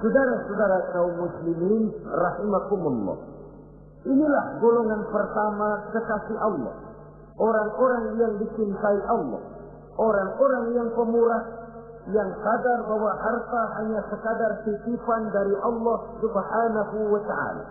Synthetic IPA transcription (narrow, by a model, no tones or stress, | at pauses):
sudaɾasudaɾakaumːusliminrahimakumulːɔ̰h | ʔinilahɡolɔŋanpərt̪amakəkasiʔalːɔ̰h | ʔoɾaŋoɾaŋjaŋdit͡ʃɪnk̪aiʔɑlːɔ̰h | ʔoɾaŋoɾaŋjaŋpəmuɾaʔ | jaŋsadarbawahart̪aɦaɲasəkadarsit̪ifandaɾiʔalːɔhsubhanaɦuwat̪aʕa̰ːla̰